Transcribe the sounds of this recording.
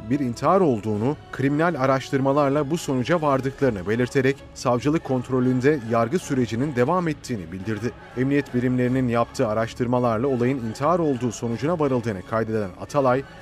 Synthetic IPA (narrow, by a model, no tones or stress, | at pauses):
biɾint̪ʰiɦaɾo̞lˠd̪uːnukʰɾiminælʲaɾaʃt̪ʰɯɾmalˠaɾlˠabuso̞nud͡ʒavaɾd̪ɯklˠaɾɯnɯbe̞lʲiɾt̪ʰe̞ɾɛc | savd͡ʒɯlˠɯkʰːo̞nt̪ɾo̞lʲynd̪ɛjaɾɡɯsyɾe̞d͡ʒinind̪e̞vamɛt̪ʰːiːnibilʲd̪iɾd̪ɪ | ɛmnijɛt̪bilʲimlʲe̞ɾininjap̚t̪ʰɯːaɾaʃt̪ʰɯɾmalˠaɾlˠao̞lˠajɯnint̪ʰiɦaɾo̞lˠd̪uːso̞nud͡ʒunavaɾɯlˠd̪ɯːnɯkʰajd̪e̞dd̪æ̰na̰t̪ʰalˠaj